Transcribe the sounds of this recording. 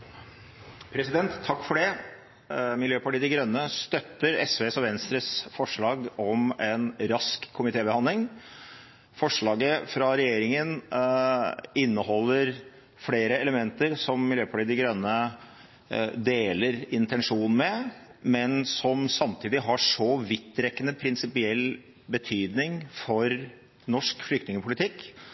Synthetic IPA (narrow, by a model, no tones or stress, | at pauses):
pʰɾɛsɪd̪ɛnt̪ʰːɑkːfɔɖɛ | mɪljøːpɑʈiːəd̪ɪɡɾœnːəst̪œt̪ːəɾɛsʋeːsɔʋɛnst̪ɾəsfɔʂɭɑːɡɔmɛnɾɑskʰːʊmɪt̪ʰeːbəhɑnd̪lɪŋ | fɔʂɭɑːɡəfɾɑɾɛjeːɾɪŋən | ɪnːəhɔlːəɾ | fleːɾəɛləmɛnt̪əɾsɔmːɪljøːpʰɑʈiːd̪ɪɡɾœnːə | d̪eːləɾɪnt̪ɛnʂuːnn̩mɛmɛnsɔmsɑmt̪ʰiːd̪ɪɦɑʂɔʋɪt̪ːɾɛkːənəpʰɾɪnsɪpɪɛlː | bət̪ʰyːd̪nɪŋfɔɾ | nɔʂkflʏk̚t̪nɪŋəpʰʊlɪt̪ʰɪkː